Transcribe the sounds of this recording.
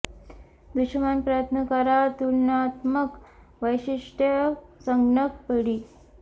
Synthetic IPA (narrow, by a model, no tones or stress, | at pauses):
d̪uɕəmanpɾajət̪nəkaɾat̪ulnat̪mək | ʋəjɕiʂʈjəsəŋɡɳəkpəɽiː